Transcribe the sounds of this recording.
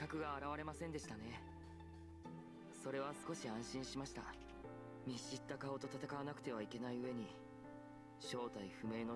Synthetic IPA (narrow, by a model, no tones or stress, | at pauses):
kakɯ̟ɡaːɾaβaɾe̞masẽ̞nd̪e̞ɕi̥t̪ane̞ | so̞ɾe̞β̞asɨ̥ko̞ɕiãɰ̃ɕĩɰ̃ɕimaɕi̥t̪a̰ | mʲiɕit̪ːakao̞t̪o̞t̪at̪akaβanakɯ̟̥t̪e̞β̞aike̞naiɯ̟e̞ɲ̟i | ɕo̞ːt̪aiɸɯ̟me̞ːno̞